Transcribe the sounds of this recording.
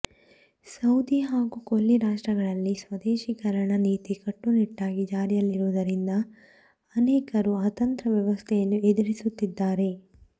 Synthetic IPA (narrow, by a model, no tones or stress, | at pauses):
sɐwd̪iɦaːɡukolːiɾaːʂʈɾɐɡɐɭɐlːisʋɐd̪eːʃikɐɾɐɳɐniːt̪ikɐʈːuniʈːaːɡid͡ʒaːɾijɐlːiɾuʋd̪ɐɾind̪ɐː | nɛːkɐɾuaːt̪ɐnt̪ɾɐʋjɐʋɐst̪ʰɛjɐnːued̪uɾisut̪ːid̪ːaːɾe̞